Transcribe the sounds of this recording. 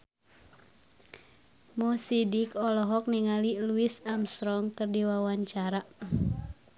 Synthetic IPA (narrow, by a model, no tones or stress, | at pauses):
mɔsidikɔlɔɦɔk̚niŋaliluisamst̪ɾɔŋkərdiwawaɲt͡ʃaɾa